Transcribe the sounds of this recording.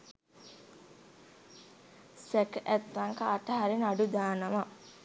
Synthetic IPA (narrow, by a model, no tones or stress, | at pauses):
sækʔæt̪ːaŋkəːʈəɦaɾinaɖud̪aːnəʋa